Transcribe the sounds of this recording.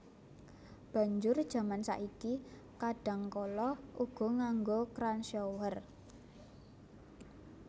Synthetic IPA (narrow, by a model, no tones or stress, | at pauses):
b̥ä̤ɲd͡ʒʊrd̥ʒ̥a̤mansa̰ʔiki | kaɖ̥ä̤ŋkɔlɔʔuɡ̥ɔ̤ŋaŋɡokɾansowər